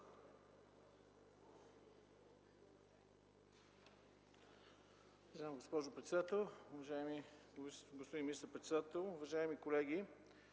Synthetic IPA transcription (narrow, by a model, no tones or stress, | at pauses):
vɐʒamɡospɔʒʊpɾɛt̪sɛd̪at̪ɛlˠʊvɐʒaɛmi | ɡospod̪inmist̪əɾpɾɛt̪sɛd̪at̪ɛlˠʊvɐʒaɛmikolɛɡ̟i